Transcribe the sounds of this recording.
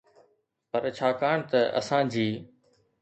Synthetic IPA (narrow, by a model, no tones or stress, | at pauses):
pɐɾt͡ɕʰaːkaːɳ̃t̪ɐʔɐ̰sãːd͡ʑiː